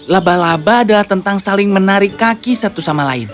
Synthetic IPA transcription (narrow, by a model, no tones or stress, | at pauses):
labalabaːdalaht̪ənt̪aŋsalɪŋmənaɾɪkːakisat̪usamalaɪ̰n